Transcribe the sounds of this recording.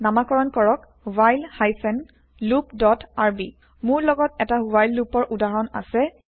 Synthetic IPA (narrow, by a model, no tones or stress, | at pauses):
namakɔɹɔnkɔɹɔk | wajlhajsɛn | lupdɔtaɹbi | mʊɹlɔɡɔtɛtaubajlːupɔɹʔudaɹɔna̰sɛ